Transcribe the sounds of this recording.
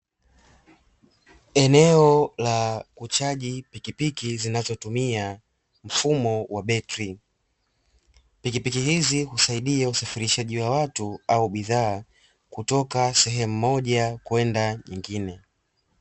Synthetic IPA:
ɛnɛɔlakut͡ʃaʄipikipikizinazɔtumia | m̩fumɔwaɓɛtɾi | pikipikihizihusaiɗiausafiɾiʃaʄiwawatuauɓiðaː | kutɔkasɛɦɛm̩mɔʄakuwɛndaɲiŋɡinɛ

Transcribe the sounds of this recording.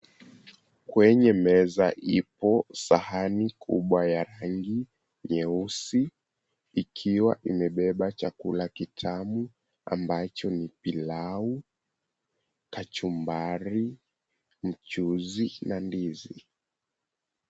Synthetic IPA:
kwɛɲɛmɛzaʔipɔsahanikʰṵɓwajaɾaŋɡi | ɲɛusiː | kʰiwaʔimɛɓɛɓat͡ʃakulakitʰamu | a̰mbat͡ʃɔnipilau | kat͡ʃumbaɾi | m̩t͡ʃuzinandizi

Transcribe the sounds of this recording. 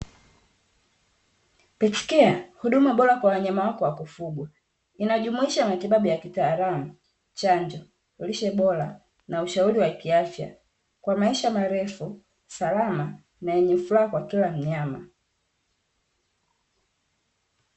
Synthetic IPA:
pɛt͡ʃi̥kɛahuɗumaɓɔɾakwawaɲamawakɔwakufuɡwa | inaʄumuiʃamatiɓaɓujakitaːɾamu | t͡ʃaɲd͡ʒɔ | uliʃɛɓɔla | nauʃauɾiwakiafja̰ | kwamaiʃamaɾɛfu | salama | najɛɲɛfulaakwakilam̩ɲama̰

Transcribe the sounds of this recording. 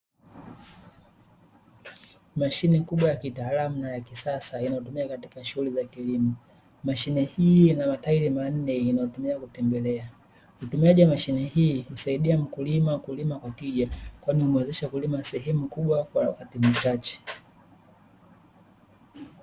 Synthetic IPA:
maʃinɛkuɓwajakitaːlamunajakisasainajɔtumiakatikaʃuhulizakilimɔ | maʃinɛhiːnamataiɾiman̩nɛinaɔtumiakutɛmbɛlɛa | hutumiaʄiwamaʃinɛhiːhusaiɗiam̩kulimakulimakwakiʄakwainiumwɛzɛʃakulimasɛɦɛmukuɓwakwawakatim̩t͡ʃat͡ʃɛ̥

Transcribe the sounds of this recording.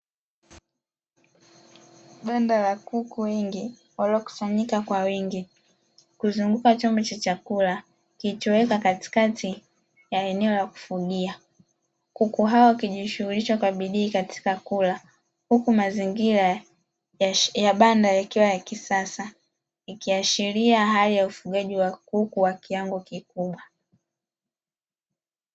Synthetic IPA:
ɓandalakukuwɛŋɡi | walɔku̥saɲikakwawiŋɡi | kuzuŋɡukat͡ʃɔmbɔt͡ʃat͡ʃakula | kitɔwɛkakati̥katʰi | jaɛnɛɔlaku̥fuɗia | kukuɦawɔkiʄiʃuhuliʃakwaɓiɗiːkati̥kakula | hukumaziŋɡiɾa | jaɓandajakiwajakisasa | ikiaʃiɾiaɦalijaufuɠaʄiwakukuwakiaŋɡukikuɓwa

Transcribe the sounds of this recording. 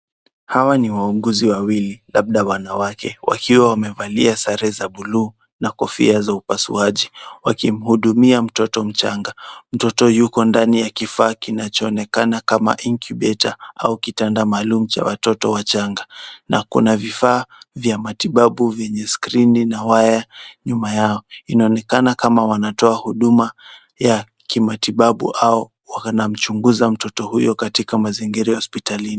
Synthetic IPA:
hawaniwauɠuziwawililaɓ̚ɗawanawakɛ̰wa̰kiwawamɛvaliasaɾɛzaɓuluː | nakɔfḭazaupasṵaʄiwakim̩huɗumiam̩tɔtɔm̩t͡ʃaŋɡam̩tɔtɔjukɔndanijakifaːkinat͡ʃɔːnɛkanakama̰ʔiŋkjuɓɛtaʔaukitandamaːlumut͡ʃa̰wa̰tɔtɔwat͡ʃaŋɡana̰kṵnavifaːvjamatiɓaɓuvjɛɲɛskɾininawajaɲumajaɔinaɔnɛkanakamawanatɔahuɗuma | ja | kimatiɓaɓṵʔaɔ | wanam̩t͡ʃuŋɡuzam̩tɔtɔhujɔkatikamaziŋɡiɾajhɔspitalini

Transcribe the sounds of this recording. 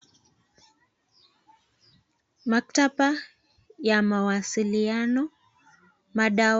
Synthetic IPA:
maktaɓa | jamawasilianɔ | maɗa

